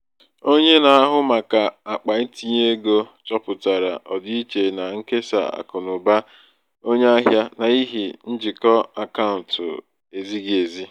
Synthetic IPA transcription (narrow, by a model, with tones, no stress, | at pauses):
o˦ɲe˦na˨a˦ɦʊ˦ma˨ka˨a˨k͡pa˨i˦ti˦ɲ˦e˦ɡo˦t͡ʃɔ˦pʊ˨ta˨ɾa̰˨ʔɔ˨di˦i˦t͡ʃe˨na˨ŋ̩˦ke˦sa̰˨a̰˨kʊ˨nʊ˨ba˦ | o˦ɲe˦a˦ɦja˦na˨i˦ɦi˨n̩˦d͡ʒi˨kɔ˦a˨ka˦ʊ˨n̩˨tʊ̰˨ | e˨zi˦ɡe˨zi˦